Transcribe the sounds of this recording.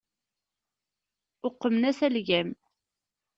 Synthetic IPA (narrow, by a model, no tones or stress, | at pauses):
ʊqːəmnæsælʝæm